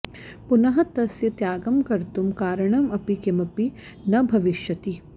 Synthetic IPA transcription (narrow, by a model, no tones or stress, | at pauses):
punɐɦɐt̪ɐsjɐt̪jaːɡɐmkɐɾt̪umkaːɾɐɳɐmɐpikemɐpi | nɐbʱɐʋiʃjɐt̪i